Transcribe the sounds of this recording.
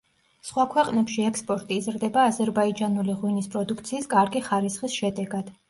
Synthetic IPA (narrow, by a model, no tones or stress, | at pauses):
sχwakʰwɛqʼnɛpʃiɛkspʼɔɾt̪ʼizɾd̪ɛbaːzɛɾbaid͡ʒanuliʁwinispʼɾɔd̪ukʰt̪sʰiːskʼaɾɡiχaɾisχisʃɛd̪ɛɡad̪̥